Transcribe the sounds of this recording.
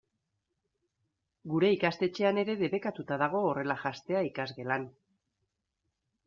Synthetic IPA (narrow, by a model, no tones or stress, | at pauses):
ɡuɾe̞ikast̪e̞t͡ʃe̞ane̞ɾe̞ðe̞βe̞kat̪ut̪aðaɣ̞o̞ːre̞laʝast̪e̞aikazɣe̞lan